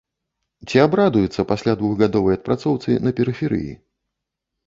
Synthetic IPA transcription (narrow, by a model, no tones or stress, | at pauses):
t͡sʲiabɾad̪ujut̪sːɐpasʲlʲad̪vuɣɡad̪ɔvɐjɐt̪̚pɾat̪sɔwt̪sɨnɐpʲɛɾɨfʲɛɾɨ̰jḭ